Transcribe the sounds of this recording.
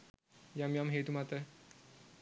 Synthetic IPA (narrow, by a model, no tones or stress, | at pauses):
jamjamɦet̪umat̪ə